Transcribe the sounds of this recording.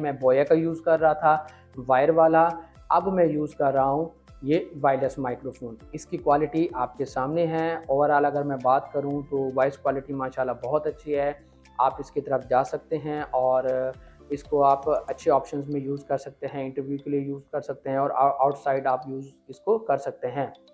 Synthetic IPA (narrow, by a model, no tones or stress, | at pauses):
mɛ̃bɔːjakajuːzkɐɾːaɦat̪ʰa | ʋaːɪəɾʋaːla | ɐbmɛ̃juːzkɐɾːaɦaɦũ | jeʋaːɪləsmaːɪkɾoːfoːnɪskikwaːlɪʈiʔaːp̚kesaːmneɦɛɔːɾaːlɐɡəɾmɛ̃baːt̪kɐɾũt̪oʋaːɪskwaːlɪʈimaːʃaːlːabɔɦʊt̪ɐtːʃʰiɦɛ | aːpɪskit̪ɐɾəfd͡ʒaːsɐk̚t̪eɦɛ̃ʔɔːɾ | ɪskoaːpɐtːʃʰeɔːpʃənzmẽjuːzkɐɾsɐk̚t̪eɦɛ̃ɪ̃ɳʈəɾʋjukeliejuːzkɐɾsɐk̚t̪eɦɛ̃ɔːɾaʔaːʊʈʰsaːɪɖaːpjuːzɪskokɐɾsɐk̚t̪eɦɛ̃ː